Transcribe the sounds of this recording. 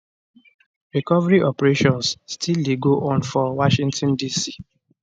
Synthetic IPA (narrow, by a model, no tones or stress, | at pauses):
ɹikɔvaɹiʔɔpɹeʃɔ̃nsstʰildeɡoʔɔ̃nfɔwɔʃĩntɔ̃ndisi